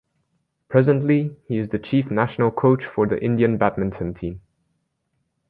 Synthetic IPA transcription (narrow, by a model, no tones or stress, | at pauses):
pʰɹ̥ɛzə̃ntˡlihiɨzðɨt͡ʃʰifnæʃnəl̩ˠkʰoʊt͡ʃfə˞ðḭʔɪ̃ndiɨ̃nbæt̚mɨ̃ntʰə̃ntʰĩm